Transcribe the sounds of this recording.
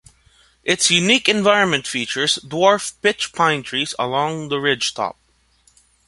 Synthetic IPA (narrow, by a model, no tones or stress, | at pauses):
ʔɪtsjʉnikɨ̃ɱvaɪɹə̃nmɨ̃ntfit͡ʃə˞zdwɔɹfpɪt͡ʃpʰãɪ̃ntʰɹ̥izə̰lɔ̃ŋðəɹɪd̥d͡ʒ̥tʰɔ̰p̚